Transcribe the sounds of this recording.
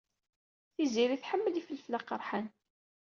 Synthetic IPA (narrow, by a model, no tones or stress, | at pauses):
θiziɾiθħəmːəlifəlːflaqəɾˤħan